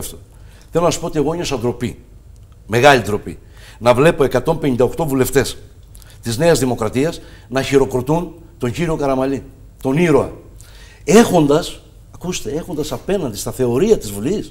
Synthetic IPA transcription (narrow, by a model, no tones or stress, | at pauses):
ft̪o | θelonɐsu̥poot̪ie̞ɣo̞eɲosɐnd̪ɾo̞pi | me̞ɣɐlid̪ɾo̞pḭ | nɐvle̞po̞e̞kɐt̪o̞mpe̞ɲind̪ɐokt̪o̞vule̞ft̪e̞s | t̪izne̞ɐzðimo̞kɾɐt̪iɐsnɐçiɾo̞kɾo̞t̪un | t̪o̞ɲɟiɾio̞kɐɾɐmɐli | t̪o̞niɾo̞ɐ̰ | e̞xo̞nd̪ɐs | ɐkust̪ee̞xo̞nd̪ɐsɐpe̞nɐnd̪ist̪ɐθe̞o̞ɾiɐt̪izvulis